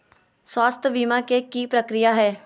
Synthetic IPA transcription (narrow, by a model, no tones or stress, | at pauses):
swaːst̪ʰʋiːmãkekiːpɾəkɾɪjaːɦɛː